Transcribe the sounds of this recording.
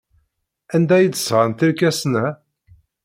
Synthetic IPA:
ænd̪æjəd̪ə̥sʁənt̪iɾkæsnæ

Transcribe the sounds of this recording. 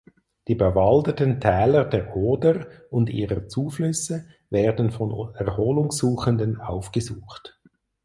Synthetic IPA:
d̥iːbəvɑldətəntʰɛːlədeːɐʔoːdəʁʊndḭːʁət͡suːflʏsə | veːɐdən̩fɔnɛʁhoːlʊŋsuːχəndənaʊfɡ̥əzuːχt

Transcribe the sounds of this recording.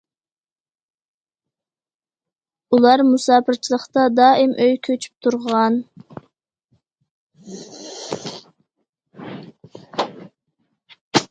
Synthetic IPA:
ulˠɑɾmusɑːpɨɾt͡ʃʰilˠəχt̪ɑd̪ɑːɪmʔøjkʲʰøt͡ʃʰy̥p̚t̪ʰuɾʁəʁɑn

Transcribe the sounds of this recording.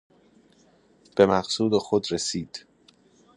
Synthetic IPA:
b̥emæɢsuːd̪exod̪ɾesiːd̪̥

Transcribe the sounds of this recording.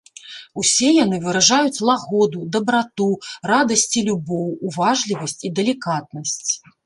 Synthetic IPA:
usʲɛjan̪ɨvɨɾaʐajut͡sʲlˠaɣɔd̪ud̪ɐbɾat̪urad̪ɐsʲt͡sʲilʲubɔwːvaʐlʲivɐsʲt͡sʲid̪ɛlʲikat̪̚nɐsʲt͡sʲ

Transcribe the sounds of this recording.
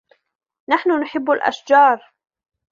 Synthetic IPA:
naħnʊnʊħɪbːalʔa̰ʃd͡ʒɑːɾˤ

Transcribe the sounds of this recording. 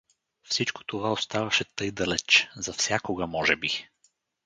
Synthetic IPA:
fsit͡ʃko̥t̪ovaost̪avɐʃɛt̪ɤjd̪ɐlɛt͡ʃzɐfsʲjakoɡɐmɔʒɛbi

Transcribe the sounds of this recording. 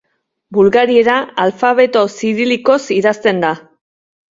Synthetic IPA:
bulɣaɾie̞ɾaalfaβ̞e̞t̪o̞siɾiliko̞siðast̪e̞nd̪a

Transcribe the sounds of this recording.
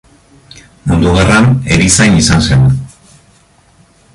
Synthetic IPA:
mund̪uɣaraneɾisajnisansen

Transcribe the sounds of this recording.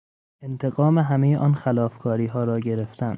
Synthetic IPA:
ent̪ʰe̞ɡɒːmeɦæmejeʔɒːnxælɒːfkʰɒːɾiːɦɒːɾɒːɟe̞ɾeft̪ʰæn

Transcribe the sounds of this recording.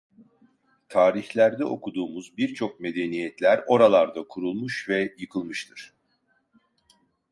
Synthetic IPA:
t̪ʰaːɾiçlʲæɾd̪ɛʔo̞kʰud̪uːmuzbiɾt͡ʃʰo̞k̚me̞d̪enijɛt̪lʲæɾo̞ɾalˠaɾd̪akʰuɾulˠmuʃvɛjɯkʰɯlˠmɯʃt̪ʰɯɾ̥

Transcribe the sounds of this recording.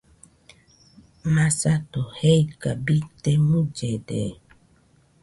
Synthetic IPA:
mãsatoheikabit̪emũd͡ʒɛdɛ̰

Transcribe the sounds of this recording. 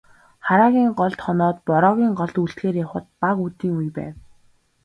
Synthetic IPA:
χaɾaːɣʲiːŋɢɔɮt̪χɔnɔːt̪̚pɔɾɔːɣʲiːŋɢɔɮt̪uɬt̪xeːrjaχə̆t̪̚paɣut̪iːŋujpæ̰ːw

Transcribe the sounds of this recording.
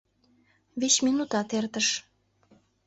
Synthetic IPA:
βet͡ɕminut̪ɑt̪ert̪əʃ

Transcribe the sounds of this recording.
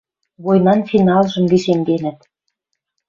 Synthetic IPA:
βojnɑnfinɑlˠʒɤ̆mɡiʃemd̪enɘ̆t̪

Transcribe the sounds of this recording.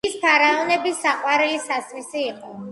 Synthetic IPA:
ispʰaɾaɔnɛbisaqʼwaɾɛlisasɾisiːqʼɔ

